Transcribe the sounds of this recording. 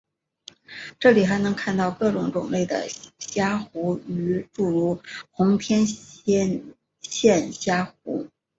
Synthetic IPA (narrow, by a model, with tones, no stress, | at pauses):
ʈ͡ʂɤ˥˩li˨˩xa˧˥ɪnɤ˧˥ŋkʰa˥˧nt̪ɑ˥˧ʊkɤ˥˩ʈ͡ʂʊ˨˧˥ŋʈ͡ʂʊ˨˩ŋle˥˩ɪd̪ə̰˩ɕja˥xu˧˥y˧˥ʈ͡ʂu˥˩ɻu˥˩xʊ˧˥ŋt̪ʰjɛ˥n˥ | ɕjɛ˥˧˩nɕja˥xṵ˧˥